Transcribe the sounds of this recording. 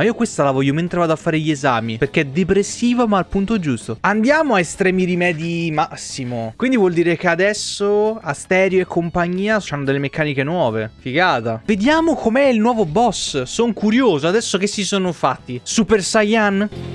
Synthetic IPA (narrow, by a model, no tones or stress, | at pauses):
maiːokwest̪alavɔjːoment̪ɾevaːd̪oafːaːɾeʎieza̰ːmiperkeɛd̪epɾesːiːvomaːlpunt̪oɛd͡ʒust̪oand̪jaːmoaest̪ɾɛːmiɾimɛːd̪jimasːimokwind̪ivwɔld̪iːɾekead̪ɛsːoast̪ɛːɾjoekʰːompaɲːiːat͡ʃanːod̪elːemekːaːnikenwɔːvefiɡaːt̪aved̪jaːmokomeɛilnwɔːvobɔsːoŋkuɾjoːzoad̪ɛsːok̟esːisoːnofat̪ːisupersajan